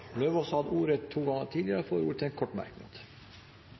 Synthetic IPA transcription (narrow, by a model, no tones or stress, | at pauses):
løːʋɔsɔhɑd̪əuːɾət̪ʰːuːɡɑŋəʈʰiːd̪ɪəɾəfoːɾṵːɾət̪ʰɛkʰɔʈmæ̰ɾkno̰ːt̪